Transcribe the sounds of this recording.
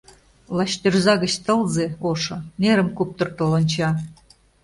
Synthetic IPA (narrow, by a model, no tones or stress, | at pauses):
lɑɕt̪erzɑɣə̆t͡ɕt̪ɤ̆lˠzeoʃɤ̆neɾə̆mkup̚t̪ɤ̆rt̪ɤ̆lɤ̆nt͡ɕɑ